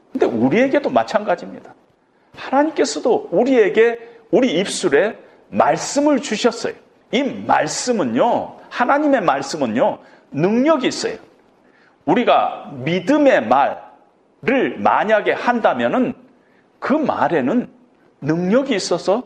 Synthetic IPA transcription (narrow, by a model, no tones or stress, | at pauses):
kɯnde̞̰uɾie̞ɡe̞domat͡ɕʰanɡad͡ʑimɲid̥a | hanaɲimk͈e̞sʰʌdouɾie̞ɡe̞ | uɾiːp̚s͈uɾe̞ | maɭs͈ɯmɯɭt͡ɕuɕʰʌs͈ʌ̰jo | ima̰ɭs͈ɯmɯnɲohanaɲime̞maɭs͈ɯmɯnjo | nɯŋɲʌɡiːs͈ʌ̰jo | uɾiɡa̰midɯme̞ma̰ɭ | ɾɯɭma̰ɲaɡe̞handamjʌnɯn | kɯma̰ɾe̞nɯnː | ɯŋɲʌɡiːs͈ʌsʰʌ